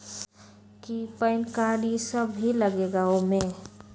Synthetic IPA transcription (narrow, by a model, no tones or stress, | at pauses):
kipəɪnkaɾisəbʱɦiləɡeɡaomẽ